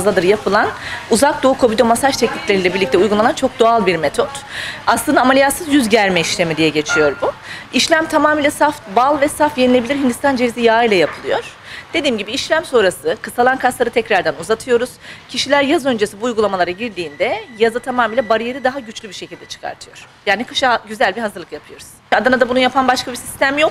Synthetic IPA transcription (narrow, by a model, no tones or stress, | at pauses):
zˠad̪ɯɾjapʰɯlˠanuzak̚d̪o̞ukʰo̞bid̪o̞masaʃt̪ʰɛclʲiclʲeɾilʲɛbiɾlʲic̚t̪ʰɛujɡulˠanant͡ʃʰo̞k̚d̪oalˠbiɾmet̪ʰo̞t̪aslˠɯnd̪aːmalʲijasɯzjyzɟæɾmɛiʃlʲe̞mid̪ijɛɟe̞t͡ʃʰijo̞ɾbuiʃlʲæmt̪ʰamaːmiːlʲɛsaft̪balˠvɛsafje̞nilʲe̞bilʲiɾɦind̪ist̪and͡ʒe̞vizijaːijlʲajapʰɯlˠɯjo̞ɾ̥d̪e̞d̪iːmɟibiːʃlʲæmso̞ɾasɯkʰɯsalˠankʰaslˠaɾɯt̪ʰɛcɾaɾd̪ænuzat̪ʰɯjo̞ɾuz̥cʰiʃilʲæɾjazø̞nd͡ʒesibuːujɡulˠamalˠaɾaɟiɾd̪iːnd̪ɛjazɯt̪ʰamaːmiːlʲɛbaɾɯjeɾɯd̪aɦaɟyt͡ʃlʲybiɾʃe̞cʰilʲd̪ɛt͡ʃʰɯ̥kʰa̰ɾt̪ʰɯjo̞ɾ̥jaːnikʰɯ̥ʃaɟyzælʲbiɦazɯɾlˠɯkjapʰɯjo̞ɾuz̥ad̪anad̪abununjapʰanbaʃkʰabisist̪æmjo̞k